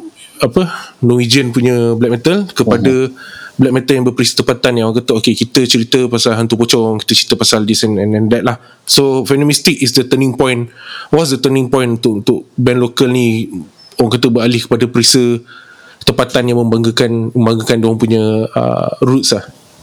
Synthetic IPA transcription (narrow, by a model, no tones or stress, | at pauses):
apənɔ̃id͡ʒiənpuɲə̃blɛk̚mɛt̪əlkəpadəblɛk̚mɛ̃t̪əljãŋbəpəɾisə̥t̪əmpat̪anjaŋwaŋkat̪əʔokekit̪ət͡ʃəɾit̪əpasalɦant̪upot͡ʃɔŋŋki̥t̪ət͡ʃɾit̪əpasaldisɛnɛnɛ̃ndɛt̪̚lah | sofɛnə̃mist̪ɪk̚isdət̪ənĩŋpɔ̃jnwɔtsdət̪ənĩŋpɔ̃j̃nunt̪ʊʔunt̪ʊʔbɛnlokəlni | owaŋkat̪əbəɾalɪhkə̥padəpəɾisə | t̪əmpat̪anjaŋməmbaŋɡəkanməmbaŋɡəkandowãŋpuɲə̃ə̰ɾut̪slah